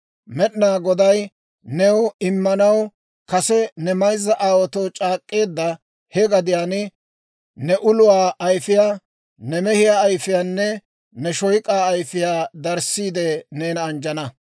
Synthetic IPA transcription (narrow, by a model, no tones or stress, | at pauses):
mɛɗnaːɡɔd̪ɐj | nɛwɪmːɐnɐw | kɐsɛnɛmɐjzːɐʔaːwɔt̪ɔwt͡ʃʼaːkʼːe̞ːd̪ːɐ | hɛɡɐd̪ɪjaːnɪ | nɛʔʊlʊwaːʔɐjfɪjaː | nɛmɛhɪjaːjfɪjaːnːɛ | nɛʃɔjkʼaːɐjfɪjaːd̪ɐɾsːiːd̪ɛneːnɐːnd͡ʒɐnɐ